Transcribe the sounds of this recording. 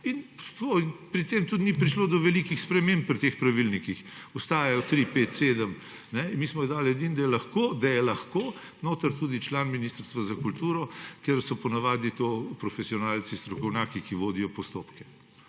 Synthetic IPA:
int̪onpɾit̪emt̪ut̪nipɾiʃloːd̪ɔʋɛlikixspɾɛmemp̚pːɾit̪expɾɐʋilnikixɔst̪aːjajɔt̪ɾipeːt̪sed̪əm | nɛmiːsmɔjɛd̪aːlɛd̪ind̪ɐjɛlɐxkoːd̪ɐjɛlɐxkoː | noːt̪əɾt̪uːd̪it͡ʃlaːnminist̪əɾst̪ʋazɐkult̪uːɾɔkeɾsɔpɔnaʋaːd̪nit̪opɾɔfɛsiɔnaːlt͡ssist̪ɾɔkɔwnʲjaːkikiʋoːd̪ijɔpɔst̪oːpkɛ̥

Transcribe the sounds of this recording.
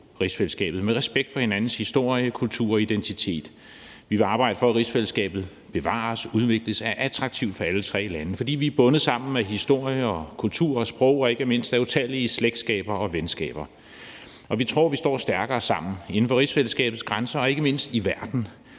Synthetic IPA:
ʁisfelsɡ̥ɛ̰ːb̥ð̩ˠmeʁɛsb̥eɡ̥̚d̥fɒ̽he̝nænn̩shisd̥o̝ɐ̰jəkʰult͡sʰṵːɐ̰ɒid̥ent͡sʰit͡sʰe̝̰ːd̥ | ʋiʋe̝ɑ̈ːb̥ɑ̈ɪ̰d̥əfɒ̽ːʁisfelsɡ̥ɛ̰ːb̥ð̞̩ˠ | b̥e̝ʋɑ̰̈ːsuð̞ˠʋe̝ɡ̥ləsæɐʔæt͡sʰʁɑ̈ɡ̥t͡sʰiʊ̰d̥fɒ̽ælət͡sʰʁɛ̰ːlænəfɒ̽d̥ḭːʋiæb̥ɔ̽nð̩ˠsɑ̈m̰n̩meɦisd̥o̝ɐ̰jəɒ̽kʰult͡sʰṵɐ̰ɒ̽sb̥ʁɔʊ̰ɒ̽e̝ɡ̥əme̝n̰sd̥æut͡sʰæliəsleɡ̥d̥sɡ̥ɛ̰ːb̥ɐɒ̽ʋensɡ̥ɛ̰ːb̥ɐ | ʔɒ̽ʋit͡sʰʁo̝̰ɐ̰ʋisd̥ɒ̰ːsd̥æɐɡ̥ɐːsɑ̈m̰n̩e̝n̩fɒ̽ʁisfelsɡ̥ɛ̰ːb̥ð̩ˠsɡ̥ʁansɐɒ̽e̝ɡ̥əme̝n̰sd̥iʋæɐd̥n̩

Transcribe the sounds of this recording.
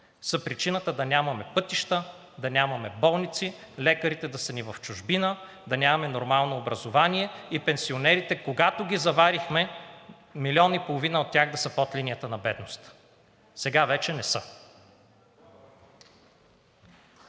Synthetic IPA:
səpɾit͡ʃinət̪əd̪ɐnʲamɐmɛpɤt̪iʃt̪ə | d̪ɐnʲamɐmɛbɔlˠnit̪si | lɛkəɾit̪ɛd̪ɐsənivɐft͡ʃʊʒbinə | d̪ɐnʲamɐmɛnoɾmalˠnoːbɾɐzovaniɛipɛnsionɛɾit̪ɛkoɡat̪oɡʲizɐvaɾixmɛ | milʲɔnipolˠovinəot̪ʲːjaɣd̪ɐsɐpɔt̪lʲinijət̪ənɐbɛd̪nost̪ | sɛɡavɛt͡ʃɛnɛsɤ

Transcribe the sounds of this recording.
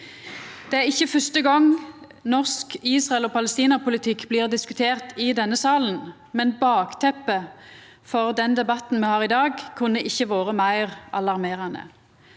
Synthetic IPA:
d̪̥ɛæːʁɪçːəfœst̪əɡɔŋ | nɔʁskiːsʁɑɛloːpɑlɛst̪iːnɑpʊlɪt̪ʰɪkːbliːʁd̪ɪskʉt̪ʰeːʁt̪ʰɪd̪ɛnːəsɑːln̩ | mɛnbɑːɡt̪ʰɛpːə | fɔʁd̪ɛnd̪ɛbɑt̪n̩mɛːhɑːʁɪd̪ɑːɡkʰʉnːəʔɪçːəʋoːʁəmæɪʁɑlɑʁmeːʁɑnə̰

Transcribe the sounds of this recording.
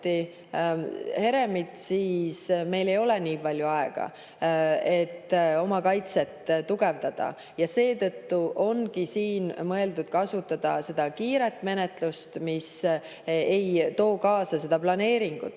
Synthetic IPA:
i | he̞ɾe̞mit̪siːsme̞jle̞jo̞leniːpɑlʲjuɑeɡ̥ɑ̰ | e̞t̪ːo̞mɑkɑjt̪se̞t̪ːt̪ːuɡ̥e̞vd̪̥ɑd̪̥ɑ̰ | jɑse̞ːt̪ɤt̪ːuʔo̞nɡisiːnmɤ̞e̞ld̪ud̪̥kɑsut̪ːˑɑd̪̥ɑse̞d̪̥ɑkiːɾe̞t̪ːˑme̞ne̞t̪lust̪mis | e̞jt̪o̞ːkɑːsɑse̞d̪ɑplɑne̞ːɾiŋɡ̥ṵt̪ːˑ

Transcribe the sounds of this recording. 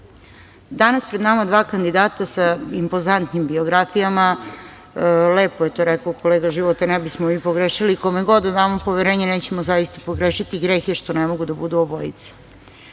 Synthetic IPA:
d̪anaspɾed̪namad̪ʋaːkand̪id̪aːt̪asaimpozant̪nimbio̞ɡɾafijama | leːpojet̪oːɾɛkaoko̞leːɡaʒiʋot̪anɛbismomiːpoɡɾeʃilikomeɡo̞d̪ad̪aːmopo̞ʋeɾeːɲeneːt͡ɕemozajist̪apoɡɾeʃit̪iɡɾexeʃt̪o̞nemoɡud̪abud̪uoboḭt̪se̥

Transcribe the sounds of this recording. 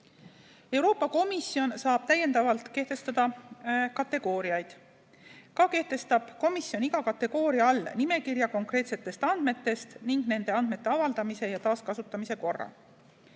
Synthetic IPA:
e̞wɾo̞ːpːˑɑko̞misio̞nsɑːb̥̚t̪æjːe̞nd̪ɑvɑlt̪ke̞ht̪e̞st̪ɑd̪̥ɑkɑt̪ːe̞ɡ̥o̞ːɾiɑjd̪̥ | kɑke̞ht̪e̞st̪ɑb̥ko̞misjo̞niɡɑkɑt̪ːe̞ɡ̥o̞ːɾiɑɑlːnime̞kiɾjɑko̞ŋkre̞ːt̪set̪ːˑe̞st̪ɑnd̪̥me̞t̪ːˑe̞st̪niŋɡne̞nd̪e̞ɑnd̪̥me̞t̪ːe̞ɑvɑld̪̥ɑmise̞jɑt̪ɑːskɑsut̪ˑːɑmise̞ko̞rːɑ̰

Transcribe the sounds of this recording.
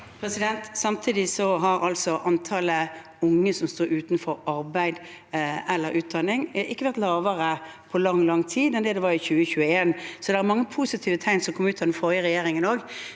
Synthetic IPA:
pʰɾɛsɪd̪ɛnt̪sɑmt̪ʰiːd̪ɪsɔɦɑɾɑlsɔʔɑnt̪ʰɑːlə | ʊŋːəsɔmst̪oːɾʉːt̪n̩fɔɾɑɾbæɪd̪ | ɛlːəɾʔʉːt̪̚d̪ɑnːɪŋʔɪkːəʋæʁt̪lɑːʋəɾəpʰɔlɑŋlɑŋːt̪ʰiːd̪ɛnd̪ɛd̪ɛʋɑɾɪçʉːəçʉːəeːnsɔd̪ɛæɾmɑŋːəpʰusɪt̪ʰiːʋət̪ʰæɪnsɔmkʰɔmːʉːt̪ːɑd̪ɛnfɔʁjəɾɛjeːɾɪŋənoːɡ

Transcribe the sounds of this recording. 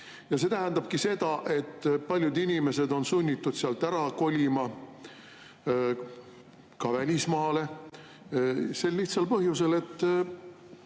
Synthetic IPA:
jɑset̪æɦænd̪ɑb̥̚kise̞d̪̥ɑʔe̞t̪ːpɑlʲjud̪inʲime̞se̞d̪o̞nsunʲːit̪ːud̪̥seɑlt̪ːæɾɑko̞lʲimɑ | kɑvælʲismɑːle̞ | se̞lːiht̪sɑlpɤɦjuse̞le̞t̪ˑː

